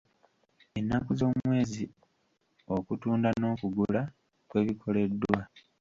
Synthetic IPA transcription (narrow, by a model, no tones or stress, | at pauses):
e̞nːakuzo̞ːmwe̞ːzi | o̞kutuːndano̞ːkuɡula | kwe̞ːβikʰo̞le̞dːwa